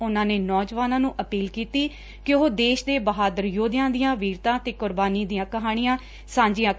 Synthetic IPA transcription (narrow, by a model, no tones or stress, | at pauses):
ʊnãːneːnɔːd͡ʒʋaːnãːnũːʔəpiːlkiːt̪iː | kɪɦoːd̪eːʃd̪eːbəɦaːd̪əɾjoːd̪ɪjãːd̪ijãːʋiːɾt̪ãːt̪eːkʊɾbaːniːd̪ijãːkəɦaːɽ̃ɪjãː | sãːɲd͡ʒijãː